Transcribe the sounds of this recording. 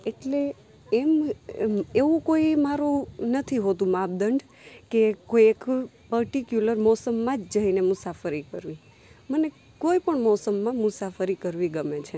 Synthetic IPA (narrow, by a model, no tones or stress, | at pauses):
eʈle | ɛm | eʋũkoimaɾũnət̪ʰiɦot̪ũmab̚d̪əɳɖ | kekoiek | pəɾʈikjuləɾmɔsəmːãd͡ʒd͡ʒəɦinemusafəɾikəɾʋi | məne | koipəɳmɔsəmːãmʊsafəɾikəɾʋiɡəmet͡ʃʰe